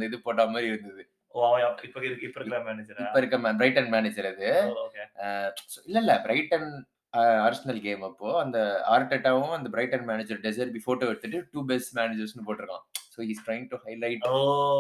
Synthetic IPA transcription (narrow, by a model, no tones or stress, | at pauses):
ɐd̪ɐɪðɯpoːʈːaːɐmaːɾiɪɾɯnd̪ɐðɯ | aaɪpːoɪðɯkːɯɪpːɔɾkɾãmːaːned͡ʒɐɾɪːɐɪɾɯkːɐmbɾɐɪʈɐnmaːned͡ʒɐɾɐðɯoːkesoːɪlːɐlːɐbɾɐɪʈɐn | aːɾsɐnɐlɡeːmɐpːoːɐnd̪ɐaːɾʈeʈːaːʋɐʊ̃ɐnd̪ɐbɾɐɪʈɐnmaːned͡ʒɐɾɖɛs̬ɐɾbifoːʈoːɪɾt̪ːɯʈːɯʈuːbɛsʈmaːned͡ʒɐɾsnɯpoːʈːɪɾɯkːã̰ːsoːhiːsʈɾɐɪɪŋ̚ʈuhɐɪlɐɪʈ